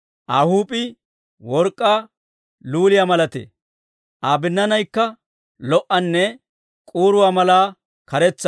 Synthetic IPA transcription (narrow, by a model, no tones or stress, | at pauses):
ʔaːhuːpʼɪ | wɔɾkʼːaː | luːlɪjamɐlɐt̪ḛː | ʔaːbɪnːɐnɐjkːɐ | lɔʔɐnːɛ | kʼuːɾʊwaːmɐlaː | kɐɾɛt͡sːɐ